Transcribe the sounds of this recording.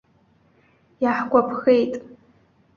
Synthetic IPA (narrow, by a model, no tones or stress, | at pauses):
jaħɡʷapʰxejtʼ